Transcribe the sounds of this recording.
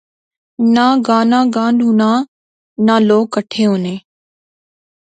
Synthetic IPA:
nãːɡaːnãːɡãːnɖʱuːnaː | naːloːkːəʈʰeːɦonẽː

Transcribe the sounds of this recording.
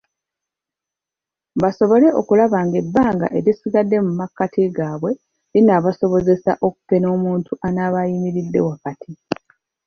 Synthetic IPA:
baso̞βo̞le̞ʔo̞̰kulaβaːŋɡe̞bːaːŋɡa̰ʔe̞ɾisiɡadːe̞mumakːatʰiɡaːβwe̞ | linaːβaso̞βo̞ze̞sa̰ʔo̞ku̥kːe̞no̞ːmuːntʰuʔanaːβajimiɾidːe̞wakatʰi

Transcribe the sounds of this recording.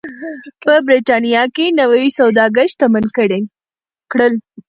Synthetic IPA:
pəbɾeʈɑnijɑkenawawisawd̪ɑɡəʃt̪amankəɽe | kɽəl

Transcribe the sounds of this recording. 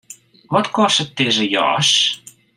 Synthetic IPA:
vɔtkɔstət̚dɪzəjɔ̰ːs

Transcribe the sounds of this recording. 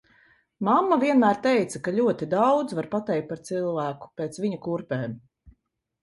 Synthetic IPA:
mamːaviɛnmæːɾt̪ɛjt̪sɐkaʎʲuɔt̪id̪awd̪zvaɾpat̪ɛjkt̪̚paɾt̪silˠvæːku̥pɛːt̪sviɲukuɾpɛːm

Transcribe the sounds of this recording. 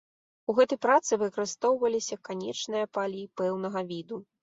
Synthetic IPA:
uɣɛt̪ɐjpɾat̪sɨvɨɐkɐɾɨst̪ɔwvɐlʲisʲɐkanʲɛt͡ʂnɨjɐpalʲipɛwnɐɣɐvʲid̪u

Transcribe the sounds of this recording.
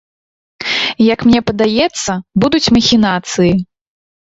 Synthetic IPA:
jɐkmnʲɛpɐd̪ajɛt̪sːɐbud̪ut͡sʲmɐxʲinat̪sɨji

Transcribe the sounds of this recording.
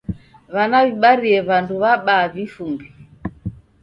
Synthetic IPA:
βanaβiɓaɾiɛβanduβaɓaːvifumbi

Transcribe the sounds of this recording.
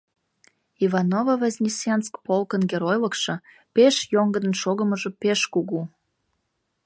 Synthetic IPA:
ivɑnovavɑzʲnʲisʲenskpolkənɡeɾojləkʃɤ̆ | peʃjoŋɡəd̪ənʃoɣə̆məʒĕpeʃkuɣu

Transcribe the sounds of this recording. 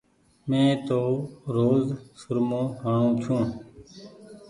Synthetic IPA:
mẽːt̪oːɾoːzsʊɾmõːhaːɳõːt͡ʃʰũː

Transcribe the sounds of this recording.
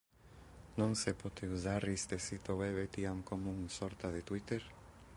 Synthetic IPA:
nɔnsɛpot̪izaɾist̪ɛsit̪owɛβɛt̪iamkomunsɔɾt̪aðɛt̪wit̪ɛɾ

